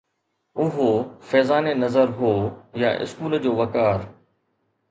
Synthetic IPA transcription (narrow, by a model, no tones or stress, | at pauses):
ʊɦofɛːzaːnenɐzəɾɦoːjaʔɪ̰skuːld͡ʑoːʋɐkaːɾ